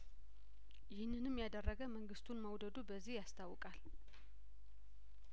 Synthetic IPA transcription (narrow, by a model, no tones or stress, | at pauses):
jɪhnɨnɨmːjad̪ərːəɡəməŋɡɨst̪ʰunməwd̪əd̪ubəzːihjast̪ʰawːɨkʼal